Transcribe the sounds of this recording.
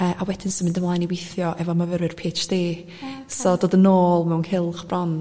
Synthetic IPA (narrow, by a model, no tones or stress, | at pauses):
əːʔawɛdɪnsɔmɪndəmlˠaːjniwɪjθjɔʔɛvɔmavəɾɪrpʰeːt͡ʃd̥eː | sɔdoːdənoːlˠmɛwnhɪlˠχb̥rɔn